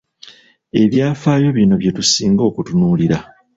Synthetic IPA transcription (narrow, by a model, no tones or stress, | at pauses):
e̞βjaːfaːjo̞βino̞βje̞tusiːŋɡo̞ːkutunuːliɾa